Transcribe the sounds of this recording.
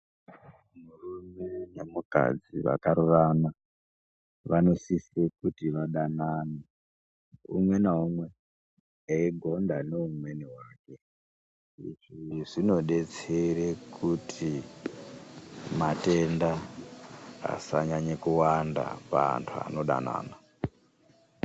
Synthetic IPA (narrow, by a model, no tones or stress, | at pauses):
murume̞ne̞muka̰d͡ziʋa̰kaɾurana | ʋano̞sisekutiʋaɗanaːni | ṵmwe̞naɦumwe̞ | eiɡʱo̞ndaneumwe̞niwaːke̞ | ḭʐiʐino̞ɗe̞t͡seɾekʰutʰi | mate̞nda | a̰saɲaɲekuwanda̰pa̰ntʰua̰no̞ɗa̰na̰ːna